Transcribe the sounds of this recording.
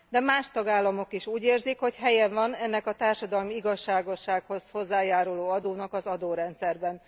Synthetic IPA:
d̪ɛmaːʃt̪ɒɡaːlːɒmo̞kiʃuːɟeːrzikho̞cɦɛjɛɱvɒnɛnːɛkɒt̪aːrʃɒd̪ɒlmiiɡɒʃːaːɡo̞ʃːaːkho̞zho̞zːaːjaːɾuloːɒd̪oːnɒkɒzɒd̪oːɾɛnt̪sɛrbɛn

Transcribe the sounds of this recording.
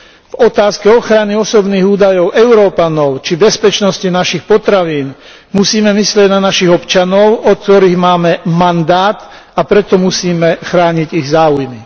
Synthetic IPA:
vɔt̪aːskɛɔxɾaniɔsɔbniːɣuːd̪ajɔʊʔɛʊɾɔːpanɔʊt͡ʃibɛspɛt͡ʃnɔscinaʃixpɔt̪ɾaʋiːn | musiːmɛmislɪɛɟnanaʃiɣɔpt͡ʃanɔʊɔtkt̪ɔɾiːɣmaːmɛmand̪aːt̪ | apɾɛt̪ɔmusiːmɛxɾaːɲiɟiɣzaːujmi

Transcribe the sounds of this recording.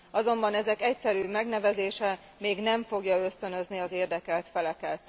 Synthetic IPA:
ɒzo̞mbɒnɛzɛkɛcsɛɾyːmɛɡnɛvɛzeːʃɛ | meːɡnɛɱfo̞ɡjɒø̞st̪ø̞nø̞zniɒzeːrd̪ɛkɛlt̪fɛlɛkɛt̪

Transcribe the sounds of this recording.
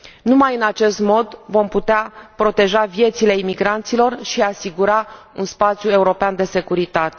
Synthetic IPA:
numajɨnat͡ʃe̞st̪mo̞d̪vo̞mput̪eapɾo̞t̪e̞ʒavje̞t̪sile̞imiɡɾant̪silo̞rʃiasiɡuɾaunspat̪sʲjue̞uɾo̞peand̪e̞se̞kuɾit̪at̪e̥

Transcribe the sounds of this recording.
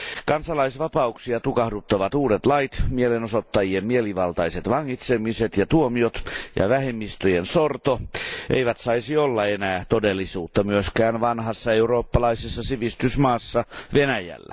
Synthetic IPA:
kɑnsɑlɑisʋɑpɑuksiɑt̪ukɑhdut̪ːɑʋɑt̪uːdet̪lɑit̪mielenosot̪ːɑjiemmieliʋɑlt̪ɑiset̪ʋɑŋːit̪semiset̪jɑt̪uomiot̪jɑ̰ʋæhemːist̪øjensort̪oʔḛiʋæt̪sɑisiolːɑenæːt̪odelːisuːt̪ːɑmyøskæːnʋɑnhɑsːɑeuro̞ːpːɑlɑisesːɑsiʋist̪ysmɑːsːɑʋenæjæ̰lːæ̰

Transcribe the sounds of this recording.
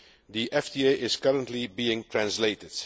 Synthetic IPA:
ðiʔɛfdieʔɪz̥kʌɹə̃ntlibiɪ̃ŋtʰɹæ̃nsleɪtɪd̥

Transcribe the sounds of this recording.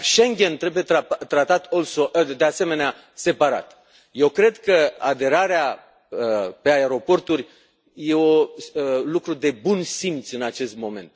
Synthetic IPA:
ʃeŋɡʲent̪ɾe̞bujet̪at̪ɾat̪at̪olsod̪e̞ase̞me̞nea | se̞paɾa̰t̪ | je̞wkɾe̞d̪kəad̪e̞ɾaɾea | əpe̞aeɾo̞po̞rt̪urʲ | je̞o | lukɾud̪e̞bunsimt̪sɨnat͡ʃe̞st̪mo̞me̞̰nt̪

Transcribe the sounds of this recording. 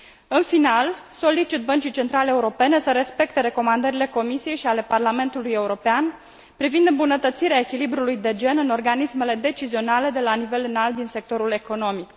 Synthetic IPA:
ɨnfinalso̞lit͡ʃit̪̚bənt͡ʃit͡ʃe̞nt̪ɾaleeuɾo̞pe̞ne̞səɾe̞spe̞kt̪e̞ɾe̞ko̞mand̪əɾile̞ko̞misije̞jʃiale̞parlame̞nt̪uluje̞uɾo̞pean | pɾivind̪ɨmbunət̪ət̪siɾeae̞kʲilibɾulujd̪e̞d͡ʒe̞nɨno̞rɡanisme̞le̞d̪e̞t͡ʃizio̞nale̞d̪e̞lanive̞lɨnalt̪̚d̪inse̞k̚t̪o̞ɾule̞ko̞no̞mik

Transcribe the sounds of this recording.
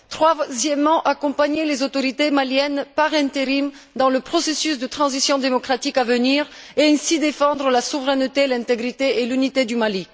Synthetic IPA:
t̪χwazjɛmːɑ̃ʔakɔ̃paɲelezot̪ɔʁit̪emaljɛnpaʁɛ̃t̪eʁim | d̪ɑ̃ləpχɔsesysd̪ət̪χɑ̃zisjɔ̃d̪emɔkχat̪ikavəniʁeɛ̃sid̪efɑ̃d̪ʁəlasuvʁɛnt̪elɛ̃t̪eɡʁit̪eelynit̪ed̪ymali

